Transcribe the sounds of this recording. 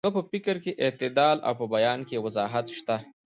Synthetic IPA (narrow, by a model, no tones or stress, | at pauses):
apəpɪkəɾkeʔɪt̪ɪd̪ɑla̰wpəbajɑnkewazɑɦat̪ʃt̪a